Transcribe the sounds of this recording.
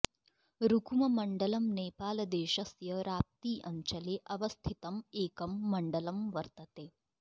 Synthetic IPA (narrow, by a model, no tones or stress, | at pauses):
ɾukumɐmɐɳɖɐlɐmneːpaːlɐd̪eːʃɐsjɐɾaːp̚t̪iːʔɐɲt͡ʃɐleʔɐʋɐst̪ʰit̪ɐmeːkɐmːɐɳɖɐlɐmʋɐɾt̪ɐt̪eː